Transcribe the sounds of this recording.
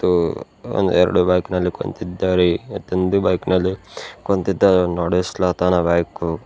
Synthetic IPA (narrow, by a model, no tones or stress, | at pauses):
t̪ːu | o̰nd̪uɛɾɐ̰ɽubɐːjknɐlːiko̰nt̪id̪ːaːɾeɐt̪ond̪ubɐjknɐlːikont̪id̪ːaɾnaːɽeslaːt̪aːnɐbaːjku